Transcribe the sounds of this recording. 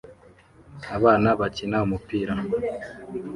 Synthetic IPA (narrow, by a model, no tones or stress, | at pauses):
aβaːnaβacinaumupiːɾa